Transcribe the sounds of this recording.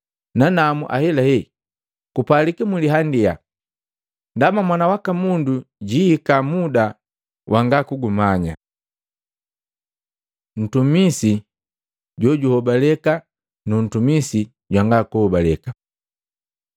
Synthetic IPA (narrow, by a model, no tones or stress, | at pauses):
nanamuʔa̰hɛlahɛ | kupalikimuliɦandia̰ | ndamamwanawakamunduɟihikamuda | wʔaŋɡakuɡumaɲa̰ | n̩tumisi | ɟɔɟuhɔbalɛka | nun̩tumisi | ɟwaŋɡakuhɔbalɛka